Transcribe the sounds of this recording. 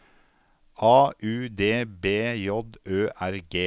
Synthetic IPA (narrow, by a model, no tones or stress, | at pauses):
ʔɑːʔʉːd̪eːbeːjɔd̪øːʔæɾɡeː